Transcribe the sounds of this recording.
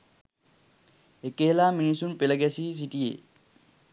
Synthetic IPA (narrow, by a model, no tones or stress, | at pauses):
ekeːlaːminisunpelɐɡɛsis̬iʈijḛ